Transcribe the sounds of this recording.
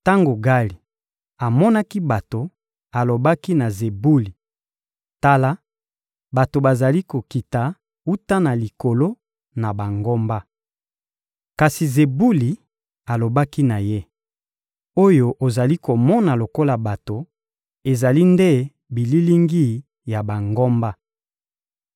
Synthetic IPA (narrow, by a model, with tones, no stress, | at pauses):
ta˦ŋɡo˨ɡa˦li˨ | a˨mɔ˦na˦ki˦ba˨to˨ | a˨lo˨ba˦ki˦na˨ze˨bu˦li˨ | ta˦la˦ | ba˨to˨ba˨za˨li˦ko˨ki˨ta˨ | u˦ta˦na˨li˨ko˨lo˦ | na˨ba˨ŋɡo˦mba˦ | ka˨si˨ze˨bu˦li˨ | a˨lo˨ba˦ki˦na˨je˦ | o˦jo˨ʔo˨za˨li˦ko˨mɔ˦na˨lo˨ko˦la˨ba˨to˨ | e˨za˨li˦nde˦ | bi˨li˦li˦ŋɡi˦ | ja˨ba˨ŋɡɔ˦mba˦